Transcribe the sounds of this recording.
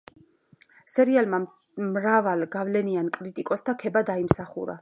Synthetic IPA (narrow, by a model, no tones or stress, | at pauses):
sɛɾialma | mɾavalɡavlɛniankʼɾit̪ʼikʼɔsd̪akʰɛbad̪aimsaχṵɾa̰